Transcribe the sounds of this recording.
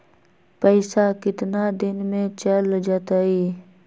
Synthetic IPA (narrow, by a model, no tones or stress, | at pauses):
pəɪsakɪt̪nad̪ɪnmẽt͡ʃəld͡ʒaːt̪aiː